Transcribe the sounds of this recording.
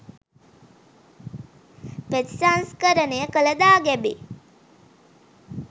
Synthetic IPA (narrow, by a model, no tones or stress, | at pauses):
pet̪sanskəɾənejəkələd̪aːɡɛbe